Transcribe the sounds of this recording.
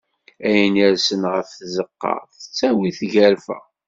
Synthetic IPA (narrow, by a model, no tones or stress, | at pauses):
æjənæɾsənʁəfθzəqːɑ̰ʁθət͡sːæwiθʝæɾfæ̰